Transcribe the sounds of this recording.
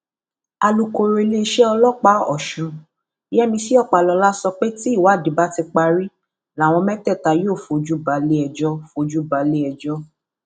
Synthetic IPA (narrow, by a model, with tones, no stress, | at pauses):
a˧lu˧ko˧ɾe˧le˦˧ʃɛ˦ɔ˧lɔ˦k͡pa˦ɔ̰˨ʃũ˧ | i˦jɛ˦mĩ˧si˦ɔ˦˨k͡pa˨lɔ˧la˦sɔ˧k͡pe˦ti˦˨wa˨˦˨di˨˦ba˦ti˧k͡pa˧ɾi˦ | la˨˦˨w̃ɔ̃˧mɛ˦tɛ˦˨ta˧joː˦˨fo˨˧˨d͡ʒu˦ba˨le˦ɛ˧d͡ʒɔ˦˨fo˧˨d͡ʒu˦ba˨le˦ɛ˧d͡ʒɔ˦